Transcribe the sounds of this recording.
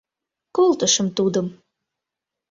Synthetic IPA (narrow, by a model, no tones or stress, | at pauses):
kolt̪əʃəmt̪ud̪əm